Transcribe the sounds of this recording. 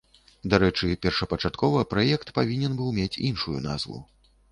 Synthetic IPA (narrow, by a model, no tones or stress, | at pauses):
d̪aɾɛt͡ʂɨpʲɛrʂɐpɐt͡ʂat̪kɔvɐpɾajɛkt̪pavʲinʲɛnbɨwmʲat͡sʲinʂujṵna̰zvṵ